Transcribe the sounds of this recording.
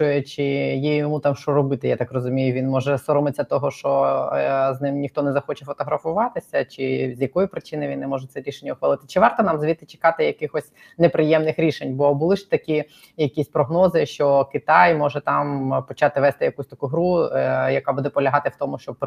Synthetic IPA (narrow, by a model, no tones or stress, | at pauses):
ɔjɛt͡ʃɪjijɔmut̪ɑmʃt͡ʃɔɾɔbɪt̪ɪjat̪ɑkrɔzʊmʲijʊʋʲinmɔʒɛsɔɾɔmɪt͡sʲːɐt̪ɔɦɔʃt͡ʃɔ | znɪmnʲixt̪ɔnɛzɐxɔt͡ʃɛfɔt̪ɔɦɾɐfʊʋɑt̪ɪsʲɐt͡ʃɪzʲjɐkɔjʊpɾɪt͡ʃɪnɪjʋinɛmɔʒɛt̪sɛɾʲiʃenʲːɐʊuxʋɐlˠɪt̪ɪ̥t͡ʃɪʋɑrt̪ɔnɑmzʋʲit̪ːɪt͡ʃɪ̥kɑt̪ɪjɐkɪxɔsʲ | nepɾɪjɛmnɪxɾʲiʃenʲbɔbʊlˠɪʃt̪ɐkʲi | jɐkʲisʲpɾɔɦnɔzɪʃt͡ʃɔkɪt̪ɑjmɔʒɛt̪ɑmpɔt͡ʃɑt̪ɪʋɛst̪ɪjɐkusʲt̪ɐkuɦɾujɐkabud̪ɛpɔlʲɐɦɑt̪ɪwt̪ɔmʊʃt͡ʃɔb